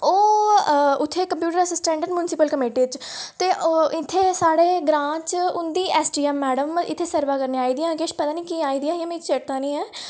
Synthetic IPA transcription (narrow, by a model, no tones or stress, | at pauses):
oː | ʊt̪ʰːeːkəmpjuːʈəɾəsəsʈɛ̃ːɳɖəɖmjunɪsɪpəlkəmeːʈiːt͡ʃ | t̪eːʔoɪt̪ʰːeːsaːɽeːɡɾãːt͡ʃʊnd̪iːʔɛːsʈiːɛmːɛːɽəmɪ̰t̪ʰːeːsəɾʋaːkəɾneːaːiːd̪ijãːkeːʃpət̪aːnĩːkiːaːiːd̪iãːiãːmẽːt͡ʃeʈ̚t̪ãːnĩːɛː